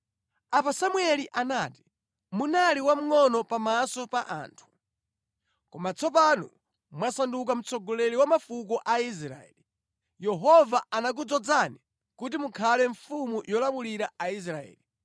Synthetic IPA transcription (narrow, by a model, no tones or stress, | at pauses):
apasamwɛliʔanaːti̥ | munaliwam̩ŋɔnɔpamasɔpaʔa̰ːntʰu̥ | kɔmat͡sʰɔpanɔ̰ | mwasanduk̬am̩t͡sɔɡɔlɛɾiwamafuk̬ɔʔais̬ɾa̰ɛ̰li | jɛɦɔvaanak̬ud͡zɔd͡zani | kut̬imukʰalɛɱfumujɔlamuliɾaais̬ɾaɛ̰ːli